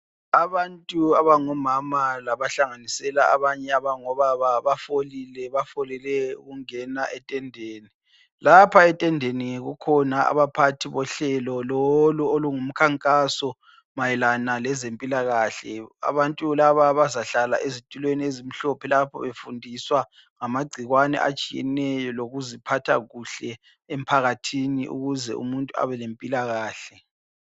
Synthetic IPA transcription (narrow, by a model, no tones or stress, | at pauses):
aβantʼuaβaŋɔmamalaβaɬaŋanisɛlaa̰βaɲɛaβaŋɔβaβaβafolilɛβafolilɛṵɣuŋɛnaʔɛtʼɛndʱeːni | lapʰaɛtʼɛndʱeniŋeɣukʰɔnaa̰βapʰatʰiβɔɬɛlɔlɔluoluŋum̩kʰaŋkʼasɔ | majɛlanalɛzempʼilaɣaːɬɛa̰βantʼulaβaβazaɬala̰ʔezitʼulweniezim̩ɬɔpʰɛlapʰɔ̰βefundʱiswa | ŋamaɡ͡ǀʱiɣwanɛ̰ʔa̰t͡ʃʼijɛ̰nɛjɔloɣuzipʰatʰa̰ɣuɬɛ | em̩pʰaɣatʰiniʔṵɣuzɛ̰ṵmuntʼua̰βɛlempʼilaɣaːɬɛ